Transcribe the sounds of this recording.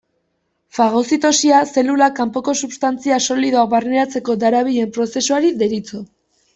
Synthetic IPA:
faɣ̞osit̪o̞siase̞lulakampo̞ko̞suβst̪ant͡siaso̞lið̞oakβarne̞ɾat͡se̞ko̞d̪aɾaβ̞iʎe̞mpɾo̞se̞suaɾid̪e̞ɾit͡so

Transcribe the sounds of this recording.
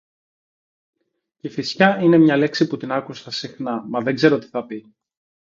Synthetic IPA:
ceifisçɐine̞mɲɐle̞ksiput̪inɐkusɐsixnɐmɐðe̞ŋɡze̞ɾot̪i̥θɐpi

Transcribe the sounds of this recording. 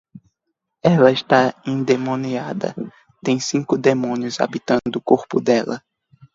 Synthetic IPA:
ɛlɐɪʃt̪aĩd̪emõniad̪ɐ̰ | t̪ẽj̃sĩŋkʊd̪emõniʊza̰bit̪ɐ̃d̪ʊkoɾpʊd̪ɛlɐ

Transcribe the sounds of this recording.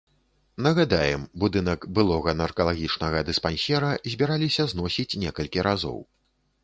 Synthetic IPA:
nɐɣad̪ajɛmbud̪ɨnɐkbɨlˠɔɣɐnɐrkɐlˠaɣʲit͡ʂnɐɣɐd̪ɨspanʲsʲɛɾɐzʲbʲiɾalʲisʲɐznɔsʲit͡sʲnʲɛkɐlʲkʲiɾazɔ̰w

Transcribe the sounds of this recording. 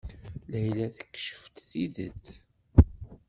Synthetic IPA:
læjlæθə̥kːʃə̥ft̪θiðə̰t͡sː

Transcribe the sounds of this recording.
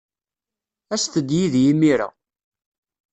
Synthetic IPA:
æsθəd̪jiðjimiɾa̰

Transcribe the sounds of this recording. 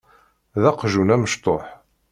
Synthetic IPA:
ðæqʒunæməʃt̪ˤoħ

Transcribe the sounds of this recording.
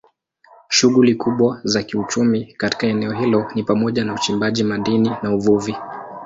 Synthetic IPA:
ʃuɠulikʰuɓwazakiut͡ʃumikati̥kaɛnɛɔɦilɔnipamɔʄanaut͡ʃimbaʄimaɗininauvuvi

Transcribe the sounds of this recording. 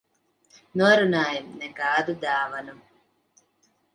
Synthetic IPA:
nuɐɾunaːjemneɡaːd̪ud̪aːʋɐnum

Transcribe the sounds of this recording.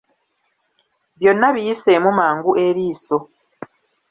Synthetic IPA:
βjo̞nːaβijise̞mumaːŋɡuʔe̞ɾiːso̞

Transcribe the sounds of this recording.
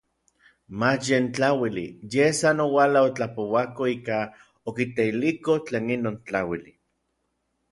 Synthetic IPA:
mat͡ʃjent͡ɬawilijesanowalaot͡ɬapowakoiːka | okit̪eilikot͡ɬeːninoːnt͡ɬawili

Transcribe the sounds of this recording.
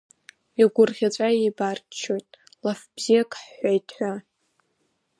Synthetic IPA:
iɡʷʊrχʲat͡sʷʼaejbart͡ʃʰojtʼ | lafbz̥ijakʰʼħːʷajtʰħʷa

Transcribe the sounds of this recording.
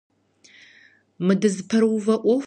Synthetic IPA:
mɨdɨzɨpʰɐɾwʊvɐʔʷɔ

